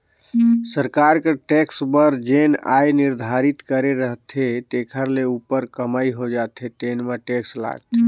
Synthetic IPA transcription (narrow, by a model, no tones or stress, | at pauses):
səɾkaɾkeʈeksbəɾd͡ʒena̰jniɾd̪ʱaɾit̪kəɾeɾəɦt̪ʰet̪ekʰəɾleupəɾkəmajɦod͡ʒat̪ʰet̪enmeʈeksla̰ɡ̚t̪ʰe